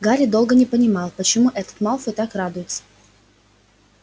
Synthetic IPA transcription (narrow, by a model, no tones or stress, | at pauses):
ɡaɾʲɪd̪o̞lˠɡənʲɪpənʲɪmɑlˠpət͡ɕɪmuʔɛt̪ə̥t̪malˠfɨt̪akrad̪ʊjɪt̪sə̥